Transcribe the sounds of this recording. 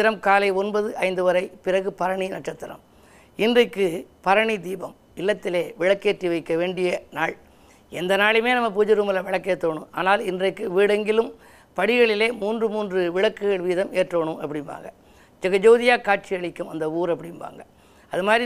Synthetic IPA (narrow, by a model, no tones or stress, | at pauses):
ɪɾɐmkaːlɐɪɔnbɐðɯʔɐɪnd̪ɯʋɐɾɐɪpɪrɐɣɯpɐɾɐɳinɐʈ̚t͡ʃːɐt̪ːɪɾɐ̰m | ɪndrɐkːɯpɐɾɐɳid̪iːbɐm | ɪlːɐt̪ːɪleːʋɪɻɐkːeːʈriʋɐɪkːɐʋeːɳɖɪjɐnaːɭ | ɛnd̪ɐnaːɭɪmeːnɐmːɐp̬uːd͡ʒɐɾuːmɐlɐʋɪɭɐkːet̪ːoːɳɯ̰ma̰ːnaːlɪndrɐɪkːɯʋiːɽɐŋɡɪlɯm | pɐɽɪɣɐɭɪleːmuːndrɯmuːndrɯʋɪɭɐkːɯɣɐɭʋiːðɐmeːʈroːɳɯmʔɐpːɐɽɪnʋa̰ːŋɡɐ | d͡ʒɛɣɐd͡ʒoːðɪjaːkaːʈ̚t͡ʃɪjɐɭɪkːɯmɐ̰nd̪ɐuːɾɐpːɐɽɪnʋa̰ːŋɡɐ | ɐðɯmaːdɾi